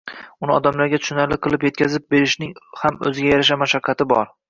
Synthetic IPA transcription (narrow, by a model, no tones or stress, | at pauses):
ʊnɪɒd̪amlaɾɡʲat̪ʰʊ̥ʃʊnalɪqʰɨlˠɪpje̞t̪̚kʲʰazɪp̚be̞ɾɪʃnɪŋhamɵ̰zɪɡʲajaɾaʃ̬amaʃaqʰːɑt̪ʰɪbɒɾ